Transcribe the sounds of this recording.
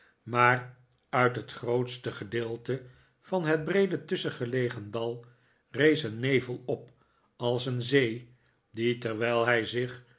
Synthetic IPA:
maːr | œɥtɦətχrowtstəχədɪːlˠtə | fɑnɦəd̚brejdətʏsəχəlejχəndɑlˠ | rejsənːejvəlˠɔp | ɑlˠsənzej | ditɛɹʋɛjlˠɦɛjzɪχ

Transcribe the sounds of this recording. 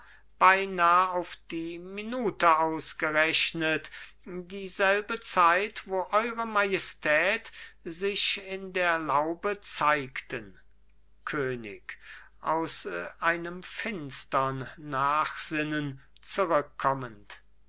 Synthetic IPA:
b̥aɪnaːəaʊfd̥iːminuːtəaʊsɡ̥əʁɛɕnət | diːzɛlbət͡saɪtv̥oːʔɔʏʁəmajɛstʰɛːtzɪɕɪndeːɐlaʊbət͡saɪktən | kʰøːnɪ̰k | ʔa̰ʊsʔaɪnəmfɪnstɐnːaːxz̥ɪnən | t͡suʁʏkʰːɔmənt

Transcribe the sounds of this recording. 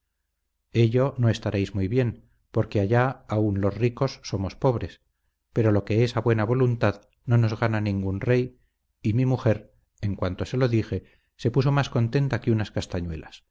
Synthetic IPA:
e̞ʎo̞no̞e̞st̪aɾʔejzmujβje̞n | po̞ɾke̞aʝaaunlo̞sriko̞sːo̞mo̞spo̞βɾe̞s | pe̞ɾo̞lo̞ke̞esaβwe̞naβ̞o̞lunt̪að | no̞no̞zɣananĩŋɡunre̞j | imimuxe̞ɾ | eŋkwant̪o̞se̞lo̞ðixe̞ | se̞puso̞masko̞nt̪e̞nt̪akeunaskast̪aɲwe̞las

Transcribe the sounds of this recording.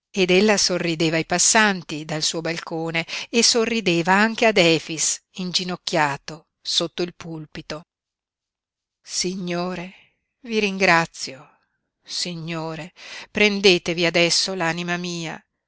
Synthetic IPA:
ed̪elːasorːid̪eːvajpasːant̪id̪alsuːobalkoːneːsorːid̪eːvaaŋk̟ead̪ɛːfisind͡ʒinokːjaːt̪o | sot̪ːoilpulpit̪o | siɲːoːɾe | viɾiŋɡɾat̪sːjo | siɲːoːɾepɾend̪eːt̪eviad̪ɛsːolaːnimamiːa̰

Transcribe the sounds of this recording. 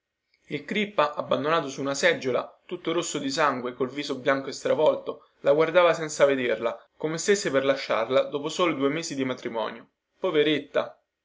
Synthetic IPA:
ilkɾipːaʔabːand̪onaːt̪osuːnasɛd͡ʒːola̰t̪ut̪ːoɾosːod̪isaŋɡwekolviːzobjaŋkoest̪ɾavɔlt̪o | laɡward̪aːvasɛnt̪saved̪erla | komest̪esːeperlaʃːa̰rlad̪oːposoːlod̪uːemeːzid̪imat̪ɾimɔ̰ːnjo | poveɾet̪ːa

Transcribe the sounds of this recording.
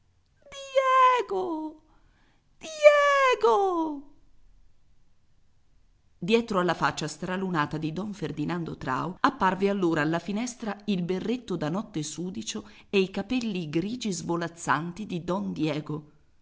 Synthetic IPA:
d̪ɛɡo | d̪̥jɛɡo | d̪jɛːt̪ɾoalːafat͡ʃːast̪ɾalunaːt̪ad̪id̪ɔɱferd̪inand̪ot̪ɾa̰ːoapːarvealːoːɾaːlːafinɛst̪ɾailberːet̪ːod̪anɔt̪ːesuːd̪it͡ʃo | eikapɛlːiɡɾiːd͡ʒizvolat̪sːant̪id̪id̪ɔnd̪jɛːɡo

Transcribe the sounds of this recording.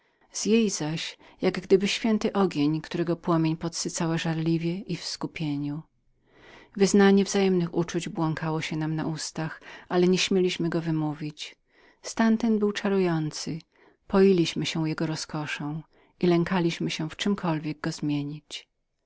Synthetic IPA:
z̥jejzaɕjaɡɡd̪ɘbɘɕfʲjɛnt̪ɘʔɔɡʲjeɲkt̪uɾɛɡɔpwɔmʲjeɲpɔt̪sɘt̪sawaʐaɾlʲivʲjɛʔifskupʲjeɲu | vɘznaɲɛvzajɛmnɘxut͡ʂud͡ʑbwɔŋkawɔɕɛnamna̰ʔust̪axalɛɲɛɕmʲjelʲiɕmɘɡɔvɘmuvʲit͡ɕ | st̪ant̪ɛnbɘwt͡ʂaɾujɔnt̪sɘ | pɔjilʲiɕmɘɕɛjɛɡɔɾɔskɔʂɔ̃w̃ | ilɛŋkalʲiɕmɘɕɛft͡ʂɘmkʰɔlvʲjɛɡ̚ɡɔzmʲjeɲit͡ɕ

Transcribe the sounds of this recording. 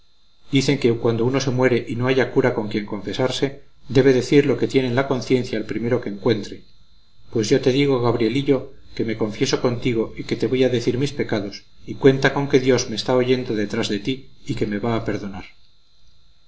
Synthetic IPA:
d̪iθe̞ŋke̞kwand̪ouno̞se̞mwe̞ɾe̞ʔino̞aʝakuɾako̞ŋkje̞ŋko̞ɱfe̞saɾse̞ | d̪e̞βe̞ðe̞θiɾlo̞ke̞t̪je̞nẽ̞nlako̞nθje̞n̟θjaːlpɾime̞ɾo̞ke̞ːŋkwe̞nt̪ɾe̞ | pwe̞zʝo̞t̪e̞ðiɣ̞o̞ɣaβɾie̞liʎo̞ke̞me̞ko̞ɱfje̞so̞ko̞nt̪iɣ̞o̞ike̞t̪e̞βo̞jaðe̞θiɾmispe̞kaðo̞s | ikwe̞nt̪ako̞ŋke̞ðjo̞zme̞ːst̪ao̞ʝe̞nd̪o̞ðe̞t̪ɾazðe̞t̪iike̞me̞βaːpe̞ɾðo̞naɾ

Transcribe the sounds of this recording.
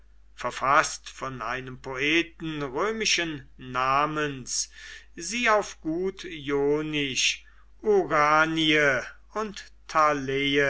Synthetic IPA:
fɛɐfastfɔnʔa̰ɪnəmpʰoʔeːtn̩ʁøːmɪʃənːaːmənsziːaʊfɡ̥uːtjoːnɪʃ | ʔuʁaːniə | ʊnt | tʰaleːə

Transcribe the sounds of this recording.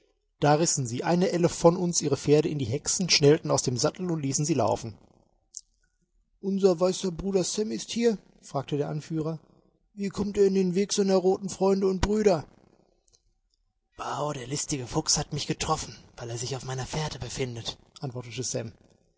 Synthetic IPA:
d̥aːʁɪsn̩ziːʔaɪnəʔɛləfɔnʊnsʔiːʁ̞əfeːɐɾəɪndiːɦɛksn̩ʃnɛltn̩aʊsd̥eːmzatl̩ʊntliːsn̩ziːla̰ʊfn̩ | ʔʊnzɐvaɪsɐbʁuːdɐsɛmɪsthiːɐ | fʁ̥aːk̚tədeːɐʔanfyːʁ̞ɐ | viːkʰɔmteːɐɪndeːnveːkz̥aɪnɐʁoːtn̩fʁ̥ɔʏndəʊnt̚b̥ʁyːɾɐ | w̥aʊdeːɐlɪstɪɡəfʊkshatmɪçɡ̥ətʁ̥ɔfn̩vaɪleːɐzɪçaʊfmaɪnɐfeːɐdəbəfɪndətʔantv̥ɔɐtətəsɛ̰m

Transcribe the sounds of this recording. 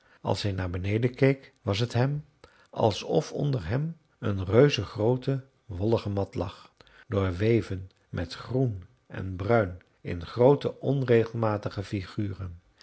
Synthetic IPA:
ɑ̰lˠsɦɛjnaːɹbənejdəkejkʋɑs̬ɦətɦɛm | ʔɑ̰lˠsɔfɔ̰ndərɦɛm | ənrøɥzəχrowtə | ʋɔlˠəχəmɑtlɑ̰χ | d̥ʊːɹʋejvən | mʔɛtχrun | ɛ̰nbrœɥn | ɪ̰nχrowtəʔɔnrejχəlˠmaːtəχəfiχyːrən

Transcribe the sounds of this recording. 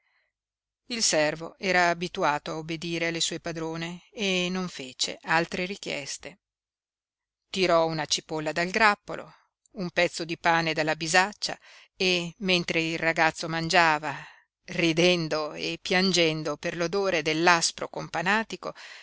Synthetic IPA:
ilsɛrvoɛːɾaːbit̪uaːt̪oaobːed̪iːɾealːesuɔepad̪ɾoːneːnːoɱfeːt͡ʃḛʔalt̪ɾeɾik̟jɛ̰st̪e | t̪iɾɔunat͡ʃipolːad̪alɡɾapːo̰lʔo̰ | umpɛt̪sːod̪ipaːned̪alːabizat͡ʃːa̰ | emːent̪ɾeilraɡat̪sːomand͡ʒaːva | rid̪ɛnd̪oḛpːjand͡ʒɛnd̪operlod̪oːɾed̪elːaspɾokompanaːt̪iko

